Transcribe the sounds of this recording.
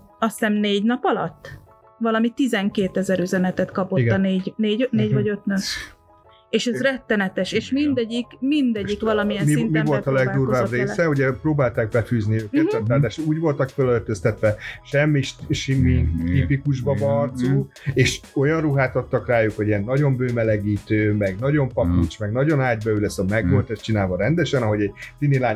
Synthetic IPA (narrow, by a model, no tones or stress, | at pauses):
ɒst̪ɛnneːɟnɒpɒlɒ̰t̪ː | vɒlɒmit̪izɛŋkeːt̪ɛzɛɾyzɛnɛt̪ɛt̪kɒpoit̪ːɒneːɟneːɟneːɟvɒɟø̞t̪nø | eːʃɛzrɛt̪ːɛnɛt̪ɛʃeːʃmind̪ɛɟːikmind̪ɛɟːikʋɒlɒmijɛnmsimivo̞lt̪ɒlɛɡd̪urvaːbreːsɛuɟɛproːbaːlt̪aːɡ̚bɛfyːzniøɛɛt̪ːaːɾd̪aːʃuːɟvo̞lt̪ɒkfølørt̪øst̪ɛt̪ʋɛʃɛmːiʃʃimit̪ipikuʒbɒbɒrt̪suː | eːʃo̞jɒnruɦaːt̪ot̪ːɒkraːjukho̞ɟijɛnːɒɟo̞mbøːmɛlɛɡiːt̪øːmɛɡnɒɟo̞mpɒput͡ʃmɛɡnɒɟo̞nɦaːɟbɛylɛsɒmɛɡɡolt̪ɛʃt͡ʃinaːlvɒɾɛnd̪ɛʃɛnɒɦo̞ɟɛɟsineːlaː